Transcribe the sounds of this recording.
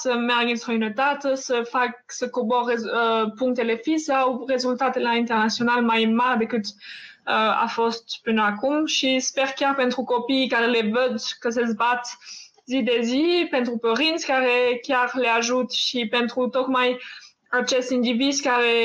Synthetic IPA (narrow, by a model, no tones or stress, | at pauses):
səmɛʁɡist̪ʁəynət̪at̪əsəfaksəkobɔʁezpuŋt̪elefisawʁezylt̪at̪elaĩnt̪ɛʁnasjonalmajmald̪əkɨt̪əa̰fɔst̪pynakumʃispɛʁkjaʁpɛnt̪χukopikaʁelevød̪kəs̬əzbat̪ | zid̪ezipɛ̃nt̪ʁupəʁinskaʁekjaʁleaʒut̪ʃipɛnt̪ʁut̪ɔkmaj | at͡ʃɛsind̪iviskaʁe